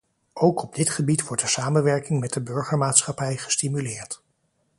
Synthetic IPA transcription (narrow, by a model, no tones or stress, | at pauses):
ʔowkɔb̚dɪtχəbitʋɔɹt̚dəsaːmənʋɛɹkɪŋmɛt̚dəbɵɹχəɹmaːtsχɑpɛjχə̥stimylɪːɹt